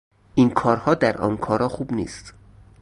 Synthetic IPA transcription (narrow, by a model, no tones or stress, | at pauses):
ʔiːnkʰɒːɾhɒːd̪æɾʔɒ̰ːnkʰɒːɾɒːxuːbnḭːst̪